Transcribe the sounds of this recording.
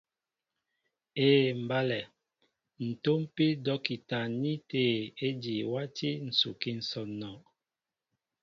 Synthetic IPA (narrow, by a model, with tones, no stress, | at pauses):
eː˦˨m̩˨ba˦lɛ˨ | n̩˨to˦m˦pi˦dɔ˦ki˨ta˨ni˦te˦˨e˦di˨wa˦ti˦n̩˨su˨ki˦n̩˨sɔ˨nɔ˨